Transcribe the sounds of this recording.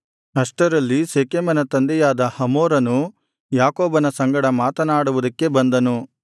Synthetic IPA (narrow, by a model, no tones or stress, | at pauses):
ɦɐʂʈɐɾɐlːiseːkeːmɐnɐt̪ɐnd̪ɛjaːd̪ɐhɐmoːɾɐnu | jaːkoːbɐnɐsɐŋɡɐɽɐmaːt̪ɐnaːɽuʋud̪ɐkːe̞bɐnd̪ɐnu